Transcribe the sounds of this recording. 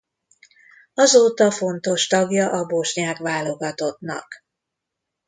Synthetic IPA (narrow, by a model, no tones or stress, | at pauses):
ɒzoːt̪ɒfo̞nt̪o̞ʃt̪ɒɡjɒʔɒboʃɲaːkʋaːlo̞ɡɒt̪o̞t̪nɒ̰k